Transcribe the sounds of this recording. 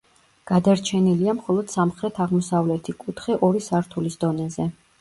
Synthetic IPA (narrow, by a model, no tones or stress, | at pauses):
ɡ̥ad̪aɾt͡ʃʰɛniliamχɔlˠɔd̪̥samχɾɛt̪ʰaʁmɔsavlɛt̪ʰikʼut̪ʰχɛʔɔɾisaɾt̪ʰulisd̪ɔnɛzɛ